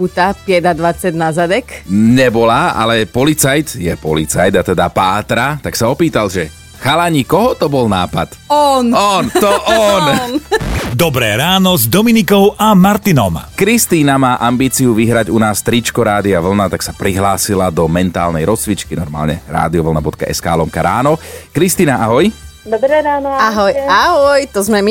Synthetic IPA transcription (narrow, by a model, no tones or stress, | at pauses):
ut̪apɪɛd̪ad̪ʋat͡sad̪ʲnazad̪ɛkɲɛbɔlaa̰lɛpɔlit͡sajt̪jɛpɔlit͡sajd̪at̪ɛd̪apaːt̪ɾat̪aksaɔpiːt̪alʒɛ | xalaɲikɔɦɔt̪ɔbɔlnaːpa̰t̪ɔnɔnt̪ɔʔɔn | d̪ɔbɾɛːɾaːnɔzd̪ɔminikɔʊʔamaɾt̪inɔ̰mkɾist̪iːnamaːʔambiːt͡siuʋiɦɾaɟunaːst̪ɾit͡ʃkɔɾaːd̪iaʋl̩nat̪aksapɾiɦlaːsilad̪ɔmɛnt̪aːlnɛ̰jɾɔsʋit͡ʃkinɔɾma̰ːlɲɛ̰ɾa̰ːd̪iɔʋl̩nabɔt̪̚ka̰ʔɛ̰ska̰ːlɔmkaɾaːnɔkɾist̪iːnaʔaɦɔjd̪ɾɛɾaːnaɦɔjaɦɔjt̪ɔzmɛmi